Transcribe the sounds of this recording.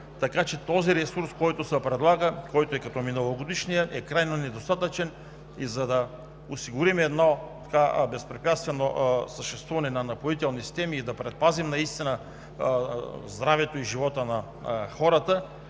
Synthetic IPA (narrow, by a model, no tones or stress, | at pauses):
t̪ɐkat͡ʃɛt̪ɔziɾɛsuɾskɔjt̪osəpɾɛd̪lˠaɡəkɔjt̪oɛkɐt̪ɔminɐlˠoɡod̪iʃnijəʔɛkɾajnonɛd̪ost̪at̪ət͡ʃɛn | izɐd̪ɐ | ʊsiɡʊɾimɛɛd̪nɔt̪ɐ̥kabɛspɾɛpʲjat̪st̪vɛnosəʃt̪ɛst̪vuvɐnɛnɐnɐpoit̪ɛlˠnisi̥st̪ɛmiːd̪ɐpɾɛt̪̚pazimnɐist̪inə | zd̪ɾavɛt̪oiʒivɔt̪ənɐ | xɔɾɐt̪ə